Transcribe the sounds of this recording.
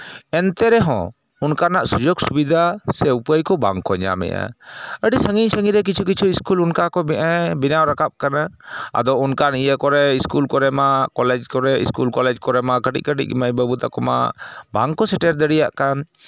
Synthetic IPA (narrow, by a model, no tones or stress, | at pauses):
ɛnt̪ɛɾɛɦɔ̰̃ | unkanaʔsud͡ʒɔksubid̪ʱasɛupəjkɔba̰ŋkɔɲa̰mɛ̰ʔa̰əɖisəŋiɲsəŋiɾɛk̬it͡ʃʰuk̬it͡ʃʰuiskulunkakɔbɛʔabinawɾakap̚kanaa̰d̪ɔunkanijəkɔɾɛiskulkɔɾɛmakɔlɛd͡ʒkɔɾɛḭskulkɔlɛd͡ʒkɔɾɛmakəʈḭʔ̚kəʈḭʔ̚ḭmajbəbut̪akɔma̰baŋkɔsɛʈɛɾd̪əɽija̰ʔkan